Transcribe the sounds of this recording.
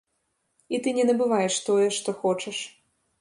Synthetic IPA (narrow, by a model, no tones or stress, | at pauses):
it̪ɨnʲɛnɐbɨvajɛʂt̪ɔjɛʂt̪ɔxɔt͡ʂɐʂ